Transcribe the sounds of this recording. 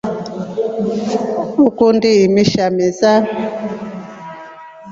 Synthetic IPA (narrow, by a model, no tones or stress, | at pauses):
ukundiimiʃamɛza